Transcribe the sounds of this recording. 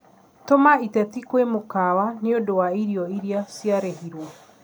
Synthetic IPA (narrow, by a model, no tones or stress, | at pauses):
tomaitɛtikwemokawaneodowaiɾiɔiɾiasjaɾeɦiɾwɔ